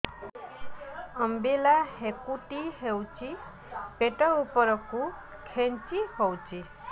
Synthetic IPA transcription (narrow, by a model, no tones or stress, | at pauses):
ɔmbilahekuʈiɦewt͡ʃʰi | peʈɔupɔɾɔku | kʰent͡ʃihowt͡ʃʰi